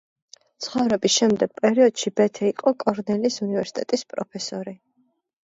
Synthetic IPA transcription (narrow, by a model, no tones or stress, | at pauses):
t̪sʰχɔvɾɛbisʃɛmd̪ɛɡ̥̚pʼɛɾiɔd̪̥ʃibɛt̪ʰɛiqʼɔkʼɔɾnɛlisunivɛɾsi̥t̪ʼɛt̪ʼispʼɾɔpʰɛsɔɾi